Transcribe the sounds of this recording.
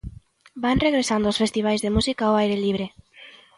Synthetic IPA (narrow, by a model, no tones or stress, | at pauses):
banreɣɾesand̪oɔsfest̪iβ̞ajzðemusikaoajɾeliβ̞ɾe